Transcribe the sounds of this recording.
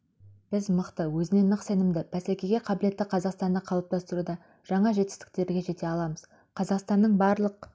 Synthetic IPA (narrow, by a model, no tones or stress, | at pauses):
b̥ɪzməqt̪əwɵzɪne̞nːəqse̞nɪmd̪ɪbʰæsækʲe̞ɡʲe̞qʰɑbɪle̞t̪ːɪqʰɑzɑqst̪ɑnd̪ɑqʰɑlˠəp̚t̪ɑst̪əɾud̪ɑ | ʒ̥ɑɴɑʒe̞t̪ɪ̥st̪ɪ̥k̚t̪e̞ɾɡʲe̞ʒe̞t̪e̞ɑlˠɑməz̥ | qʰɑzɑqst̪ɑnːəɴbɑɾlˠəq̚